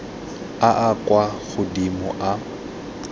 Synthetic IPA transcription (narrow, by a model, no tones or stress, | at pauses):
aʔakʼwaɣʊdimʊʔa